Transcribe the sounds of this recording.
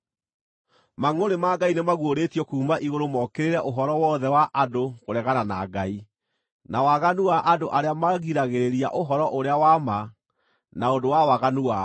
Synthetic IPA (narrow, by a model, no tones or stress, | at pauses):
maŋoɾemaɡainemaɣwoɾetiɔkuːmaʔiɣoɾomɔkeɾeɾɛʔoɦɔɾɔwɔðɛwaʔadoɣoɾɛɣanana̰ɡai | nawaɣanuaʔadoʔaɾeamaɣiɾaɣeɾeɾia̰ʔoɦɔɾɔʔoɾeawama | naondowawaɣanua